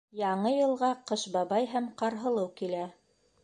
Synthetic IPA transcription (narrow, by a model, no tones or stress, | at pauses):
jɑɴɤjɤ̆lˠʁɑqɤʃbɑβɑjɦæmqɑɾɦɤ̆lˠɤwkilæ